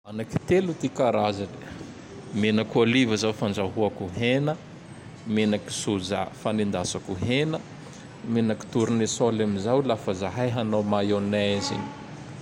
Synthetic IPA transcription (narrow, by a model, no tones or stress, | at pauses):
anaki̥t̪elut̪ikaɾazane | menakolivəzawfand͡ʒaɦuakuɦenə | menaki̥suza̰fanind̪asakuɦenə | menaki̥t̪uɾunesolamizawlafəzaɦajɦanawmajonazḭɲi̥